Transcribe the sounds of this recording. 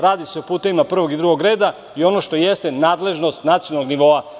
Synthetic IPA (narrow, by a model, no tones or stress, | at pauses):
ɾaːd̪iseopuːt̪e̞ʋimapr̩ʋo̞ɡid̪ɾuɡo̞ɡɾe̞ːd̪a | io̞no̞ʃt̪o̞jest̪e̞naːd̪le̞ʒno̞st̪nat̪sionaloɡniʋo̞a